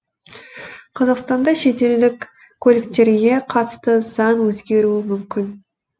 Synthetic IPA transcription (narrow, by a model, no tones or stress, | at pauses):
qʰɑzɑqst̪ɑnd̪ɑʃe̞t̪e̞ld̪ɪkʲ | kʰːɵlɪkt̪e̞ɾɡʲe̞qʰɑt̪ə̥st̪əz̥ɑnwɵzɡʲe̞ɾuɪmʏmkʲʰɪn